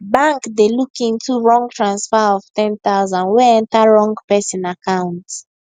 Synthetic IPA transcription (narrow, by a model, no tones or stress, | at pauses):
bãŋkdelukĩntʰuɹɔ̃ŋɡtɹãnsfɛɔv̥tɛ̃ntazãnwɛɛ̃ntaɹɔ̃ŋɡpɛsĩnakãʊ̃nt